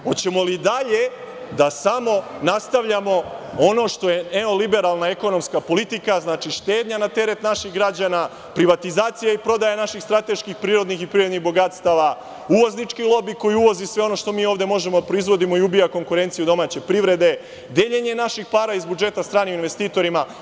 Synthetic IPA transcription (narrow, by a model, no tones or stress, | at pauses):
ot͡ɕe̞mo̞lid̪aʎe̞ | d̪asamo̞nast̪aʋʎamo̞o̞no̞ːʃt̪o̞je̞neo̞libe̞ɾalˠnaeko̞no̞mskapo̞lit̪ikaznaːt͡ʃiʃt̪e̞ːd̪ɲanat̪e̞ɾe̞t̪naʃixɡɾad͡ʑana | pɾiʋat̪izaːt̪sijaipɾo̞d̪ajanaʃixst̪ɾat̪e̞ʃkixpɾiːɾo̞d̪nixipɾiːɾo̞d̪niɣbo̞ɡat̪st̪aːʋa | uʋo̞znit͡ʃkilˠo̞biko̞jiuʋo̞zisʋeo̞no̞ʃt̪o̞miːo̞ːʋd̪e̞mo̞ʒe̞mod̪apɾo̞izʋo̞d̪imo̞iubijako̞ŋkuɾe̞nt̪siud̪o̞maːt͡ɕe̞pɾiʋɾe̞d̪e̞ | d̪je̞ʎe̞ɲe̞naʃixpaːɾaizbud͡ʒe̞t̪ast̪ɾaːniuinʋe̞st̪iːt̪o̞ɾima